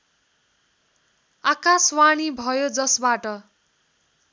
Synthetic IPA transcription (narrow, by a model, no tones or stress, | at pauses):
akaswaɽ̃ibʱʌjod͡zʌsbaʈʌ